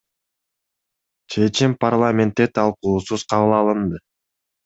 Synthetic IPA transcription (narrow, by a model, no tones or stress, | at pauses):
t͡ʃʰe̞t͡ʃimparlˠamʲe̞nt̪ːet̪ʰɑlˠquːsuz̥qʰɑβɯlˠɑlˠɯnd̪ɯ